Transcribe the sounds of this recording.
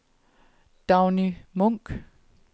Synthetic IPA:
d̥aʊnimɔŋɡ̥

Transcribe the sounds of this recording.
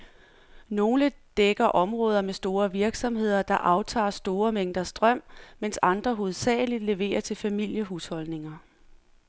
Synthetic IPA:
no̝ːləd̥eɡ̥ɐʔɒ̽mʁɔːð̞ˠɐmesd̥o̝ːɐʋiɐɡ̥sɒ̽mhe̝ð̞̰ˠɐd̥ɑ̈ʔɑ̈ʊt͡sʰɑ̰̈ːsd̥o̝ːɐmeŋ̰d̥ɐsd̥ʁɶm̰mensɑ̈nd̥ʁɐɦo̝ð̞̩ˠsɛ̰ːlid̥le̝ʋe̝̰ːɐt͡sʰe̝lfæmil̰jəɦushɒ̽lne̝ŋɐ

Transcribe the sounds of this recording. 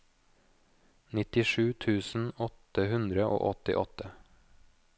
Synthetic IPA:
nɪt̪ɪʃʉːt̪ʰʉːsn̩ɔt̪əhʉnd̪ɾəʔo̰ːʔɔt̪ɪ̰ʔɔt̪ə

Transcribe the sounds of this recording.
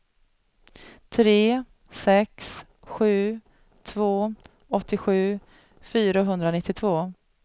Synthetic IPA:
t̪ʰɾeː | sɛks | ɧʉ̟ː | t̪ʰvoː | ɔt̪ːɪɧʉ̟ː | fyːɾaɦɵnd̪ɾanɪt̪ːɪt̪ʰvoː

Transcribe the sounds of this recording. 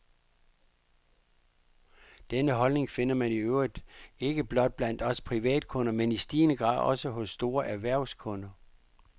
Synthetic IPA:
d̥enəɦɒ̽lne̝ŋfe̝n̰ɐmæniøʊ̰ʁid̥e̝ɡ̥əb̥lɒ̽d̥̚b̥læn̰d̥ɒ̽spʰʁiʋɛ̰ːd̥̚kʰɔ̽nɐmenisd̥iːnəɡ̥ʁɑ̰̈ð̰ˠɒ̽səɦɔ̽sːd̥o̝ːɐʔæɐʋæɐ̰skʰɔ̽nɐ

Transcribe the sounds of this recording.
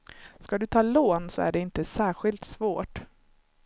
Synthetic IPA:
skad̪ɵt̪ʰɑːloːnsɔæ̰ɖɛɪnt̪əsæːɾɧɪlt̪svoːʈ

